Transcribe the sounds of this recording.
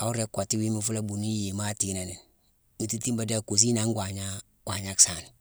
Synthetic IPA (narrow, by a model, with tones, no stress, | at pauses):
a˨˦u˦ɾe˦kːa˨ti˦wi˦mu˦fu˦la˦bu˨ni˦je˨ma˦ti˨˦na˨ne˨ | mi˨ti˦ti˦mba˨da˦˨ku˨s̬i˦na˦ŋɡʷa˨ɲa˦ | kʷa˨ɲa˦ksa˨n